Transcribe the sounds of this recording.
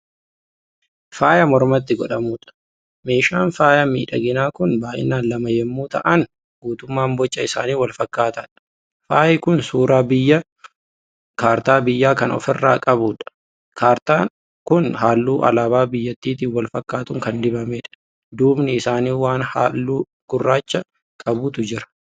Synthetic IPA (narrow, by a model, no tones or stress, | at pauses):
faːjɐmɔɾmɐt̪ːɪɡɔᶑɐmuːᶑɐ̥ | me̞ːʃaːnfaːjɐmḭːᶑɐ̰ɡɪnaːkʊnbaːʔɪ̰nːaːnlɐmɐjɛmːuːt̪ɐ̰ʔɐn | ɡuːt̪ʊmːaːmbɔt͡ʃːɐɪsa̰ːniːwɐlfɐkːaːt̪ɐᶑɐ̥ | faːjɛkʊnsuːɾaːbɪjːɐ | kaːɾt̪aːbɪjːaːkɐnɔ̰fɛrːa̰ːkʼɐbuːᶑɐ̥ | kaːɾt̪aː | kʊnɦaːlːuːʔɐ̰laːbaːbɪjːɐt̪ːiːt̪iːnwɐlfɐkːaːt̪ʊŋkɐnd̪ɪbɐmeːᶑɐ̥ | d̪uːbnɪɪsaːniːwaːnha̰ːlːuː | ɡ̥ʊrːaːt͡ʃːɐ | kʼɐbuːt̪ʊd͡ʒɪɾɐ̥